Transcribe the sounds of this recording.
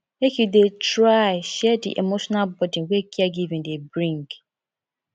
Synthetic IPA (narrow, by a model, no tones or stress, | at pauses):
mekjudetɾaɪʃɛdḭʔemoʃɔnalbɔdĩwekʰiaɡivĩndebɹĩŋɡ